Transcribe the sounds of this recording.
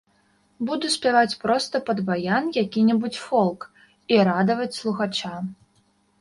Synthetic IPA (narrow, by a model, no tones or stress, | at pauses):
bud̪usʲpʲavat͡sʲpɾɔst̪ɐpɐd̪bajanjakʲinʲɛbut͡sʲfɔlˠk | iɾad̪ɐvɐt͡sʲslˠuxat͡ʂa